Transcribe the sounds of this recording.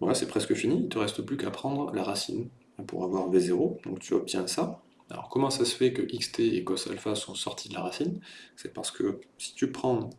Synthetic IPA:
vwa̰lasɛpχɛskəfiniilt̪əʁɛst̪əplykapχɑ̃d̪ʁəlaʁasḭn | apṵʁavwaʁvezeʁod̪̥ɔ̃kt̪ʰyɔp̚t̪ʰjɛ̃əsa | a̰lɔ̰ʁkɔmɑ̃sasə̥fɛkəʔikst̪ʰeeɡɔsa̰lfasɔ̃sɔʁt̪ʰid̪əlaʁasinsɛpaʁsə̥kʰəsi̥t̪ypχɑ̃

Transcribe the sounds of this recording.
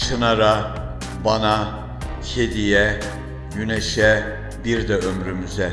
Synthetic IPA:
ʃɯnɑɾɑ | bɑnɑ | çʰed̪ijɛ | jynɛʃɛ | biɾd̪ɛømɾymyzɛ

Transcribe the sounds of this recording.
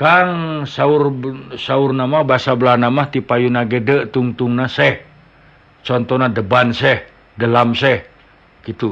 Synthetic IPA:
kaŋsaursaurnamahbasablarnamaht̪ipajunaɡedəʔt̪uŋt̪uŋnasɛh | t͡ʃɔnt̪ɔnadəbansɛh | dəlamsɛh | kit̪u

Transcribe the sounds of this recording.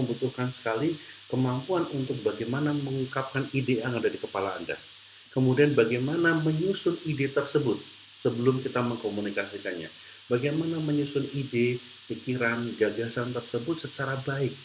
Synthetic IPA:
əmbut̪uhkansə̥kali | kəmampuanunt̪ʊk̚baɡajmanaməŋukap̚kanideaŋadadikəpala̰ːnda̰ | kəmudianbaɡajmanaməɲusʊnidet̪ərsəbʊt̪̚ | səbəlʊmkit̪aməŋkomunikasikanɲa̰ | baɡajmanaməɲusʊnide | pikiɾanɡaɡasant̪ərsəbʊt̪̚sət͡ʃaɾabaɪk̚

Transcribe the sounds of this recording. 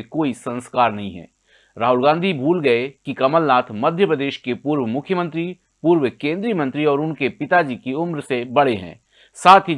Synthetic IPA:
koːisɐ̃nskaːɾnɐɦĩɦɛ̰̃ː | ɾaːɦʊlɡãːnd̪ʱibʱuːlɡɐekikɐməlnaːt̪ʰmɐd̪ʱjəpɾəd̪eːʃkepuːɾwəmʊkʰjəmə̃nt̪ɾi | puːɾwəkẽːnd̪ɾiːmə̃nt̪ɾiɔːɾʊnkepɪt̪ad͡ʒikiʊmɾsebɐɽeɦɛ̰̃ː | saːt̪ʰɦi

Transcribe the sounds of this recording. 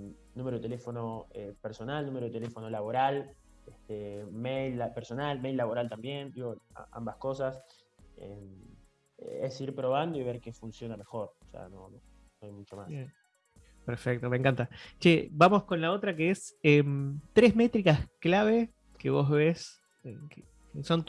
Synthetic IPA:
nũmeɾoðet̪elefo̞no̞epeɾso̞nalnũmeɾoet̪elefo̞no̞laβo̞ɾal | est̪emejlapeɾso̞nalmejlːaβo̞ɾalt̪ambjend̪iɣo̞a̰a̰mbasko̞sas | ḛm | esiɾpɾo̞βand̪o̞iβ̞eɾkefunsjo̞name̞xo̞ɾosḛa̰nono | noajmut͡ʃomase | peɾfek̚t̪o̞meŋkant̪at͡ʃebamo̞sko̞nlao̞t̪ɾakeesemt̪ɾezmet̪ɾikasklaβe̞ | keβo̞zβes | eke | so̞n

